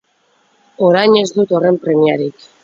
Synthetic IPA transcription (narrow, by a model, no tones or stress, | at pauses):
o̞ɾajɲe̞zd̪ut̪o̞re̞mpɾe̞miaɾik